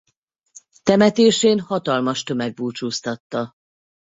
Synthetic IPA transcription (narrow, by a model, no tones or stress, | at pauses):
t̪ɛmɛt̪eːʃeːnhɒt̪ɒlmɒʃt̪ø̞mɛɡ̚buːt͡ʃuːst̪ɒt̪ːɒ